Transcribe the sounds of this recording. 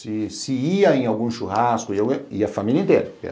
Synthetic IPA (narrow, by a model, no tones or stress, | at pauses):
sɪsɪiɐẽawɡũʃuhaskʊiawɡẽiɐfamilʲɐĩnt̪ɛɾɐpɛ̰